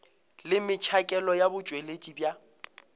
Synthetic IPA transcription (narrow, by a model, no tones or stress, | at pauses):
lɪmɪt͡ʃʰakʼɛlɔjabʊt͡ʃʼwelet͡ʃʼibja